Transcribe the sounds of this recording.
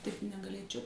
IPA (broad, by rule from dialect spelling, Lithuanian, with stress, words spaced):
tɐɪp nʲɛɡɐˈlʲeːt͡ʃʲɛʊ